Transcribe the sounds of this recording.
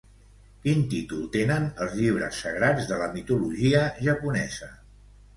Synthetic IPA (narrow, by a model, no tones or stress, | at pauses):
kint̪it̪ulˠt̪enənəlˠzʎiβ̞ɾə̰sːəɣɾad͡zðələmit̪uluʒiəʒəpunɛzə